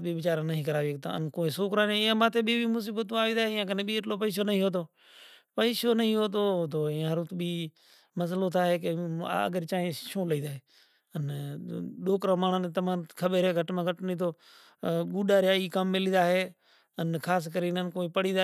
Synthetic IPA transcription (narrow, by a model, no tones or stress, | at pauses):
bibɪt͡ʃaːɾãnəɦĩːkəɾaːʋik̚t̪ã̰ə̰nkoːĩsoːkɾaːnẽjãːmãːt̪ʰeːbibimʊs̬iːbət̪ũaːʋĩːd̪aːɦejãːkənebiːɪʈloːpəiːs̬onəɦĩːɦoːt̪̬oː | pəiːsoːnɐɦĩɦoːt̪̬oːɦot̪ʰoːãɦəɾõt̪ʰbiː | məs̬əlot̪ʰaːɦeːkḛə̰ɡəɾt͡ʃaːɦẽʃõːləĩːd̪aːɦeː | ən | ɗoːkɾãːmaːɳ̤ənt̪ɐmãːkʰəɓeɾeːɡʱəʈmãːɡʱəʈniːt̪ʰoː | ɡuːɗaːɾjaːikəmːɪlĩːd̪aːɦeː | ənkʰaːs̬kəɾinənkoːĩpəɽĩːd̪a